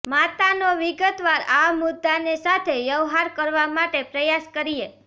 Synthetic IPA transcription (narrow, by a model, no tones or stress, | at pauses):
mat̪anoʋiɡət̪ʋaɾamʊd̪ːanesat̪ʰejəʋɦaɾkəɾʋamaʈepɾəjaskəɾie